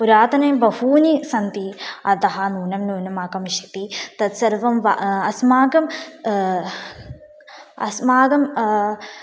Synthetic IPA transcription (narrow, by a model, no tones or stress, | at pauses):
puɾaːt̪ɐnɐjmbɐhuːnisɐnt̪iɐt̪ɐɦɐnuːnɐmnuːnɐmaːkɐmiʃɐt̪it̪ɐt̪sɐɾʋɐmʋaɐsmaːɡɐm | ɐ̰smaːɡɐm